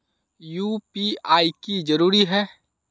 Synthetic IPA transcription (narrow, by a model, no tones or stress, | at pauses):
juːpiaːikid͡ʒɐɾuːɾiɦɛː